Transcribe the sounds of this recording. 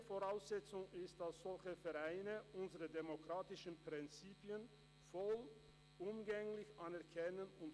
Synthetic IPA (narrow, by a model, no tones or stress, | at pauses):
foʁaʊsz̥ɛt͡sʊŋɪstd̥asz̥ɔlçəfɛɐʁaɪnəʔʊnzəʁədemokʁ̥aːtɪʃn̩pʁ̥ɪnt͡siːpiən | fɔl | ʔʊmɡɛŋlɪçʔanɛɐkʰɛnənʊnt